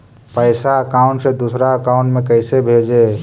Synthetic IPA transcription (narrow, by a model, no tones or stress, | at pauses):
pəɪsaəkaːʊ̃ɳʈsed̪uːsɾaəkaʊ̃ɳʈmẽkəɪsebʱeːd͡ʒeː